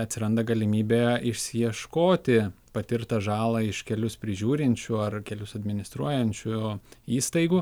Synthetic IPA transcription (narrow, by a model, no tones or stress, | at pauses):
ɐt̪ʲsʲɪɾɐnd̪ɐɡɐlʲɪmʲiːbʲeːɪʃʲsʲɪjiɛʃkoːt̪ʲɪ | pɐt̪ʲɪɾt̪ɐʒɑːlˠɐɪʃkʲɛlʲʊspʲɾʲɪʒʲuːɾʲɪnʲt͡ʃʲʊɐrkʲɛlʲʊsɐd̪ʲmʲɪnʲɪst̪ɾuɔjɛnʲt͡ʃʲʊiːst̪ɐɪɡuː